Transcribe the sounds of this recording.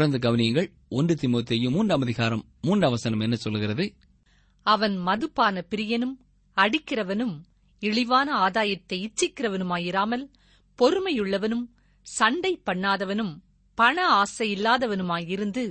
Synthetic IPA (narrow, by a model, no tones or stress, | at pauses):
ɾɐnd̪ɐɡɐʋɐnɪjɐŋɡɐɭ | ɔnrɯt̪ɪmoːt̪ɪjɯmuːnrɐmɐðɪɣaːɾɐmːuːndɐʋɐsɐnɐmɛnːɐsɔlːɯɣɪrɐðɯ | ɐʋɐnmɐðɯpːaːnɐpɪɾɪjɐnɯm | ɐɽɪkːɪrɐʋɐnɯm | ɪɭɪʋaːnɐaːðaːjɐt̪ːɐɪɪt͡ʃːɪkːɪrɐʋɐnɯmaːjɪɾaːmɐl | pɔɾɯmɐjɯɭːɐʋɐnɯm | sɐɳɖɐɪpːɐɳːaːðɐʋɐnɯm | pɐɳɐaːsɐjɪlːaːðɐʋɐnɯmaːjɪɾɯnd̪ɯ